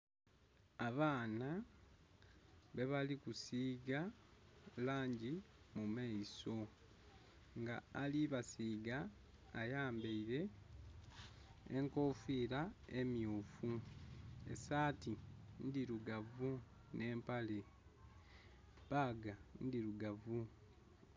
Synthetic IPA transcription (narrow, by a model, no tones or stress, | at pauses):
aβaːna | βe̞βalikusiɡa | laːɲɟi | mumaiso̞ | ŋɡaːliβasiːɡaː | jaːmbeiɾe̞ | ŋko̞fiɾae̞mjuːfu | ḛsaːtindiɾuɡavu | ne̞ːmpale̞ | paɡandiɾuɡavu